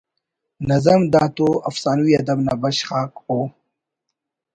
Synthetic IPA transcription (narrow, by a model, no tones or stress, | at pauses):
nɐzɐmd̪aːt̪oɐfsaːnuwiɐd̪ɐbnabɐɕχaːko